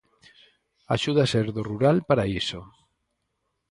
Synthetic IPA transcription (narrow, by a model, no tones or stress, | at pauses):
a̰ʃuðaseɾðoruɾalpaɾaiso